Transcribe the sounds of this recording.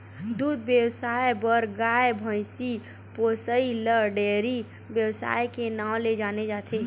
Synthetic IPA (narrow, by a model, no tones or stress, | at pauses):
d̪uːd̪bjəwsaːebəɾɡaːebʱə̃ɪ̃si | poːsəiləɖeːɾi | bjəwsa̰ːjkenaːw̃led͡ʒaːned͡ʒaːt̪ʰe